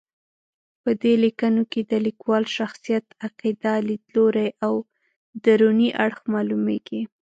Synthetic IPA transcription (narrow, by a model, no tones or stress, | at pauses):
pəd̪elikanoked̪əlikwɑlʃaxsijat̪aqid̪alid̪loɾajaw | d̪aɾuniʔaɽxmɑlumeɡi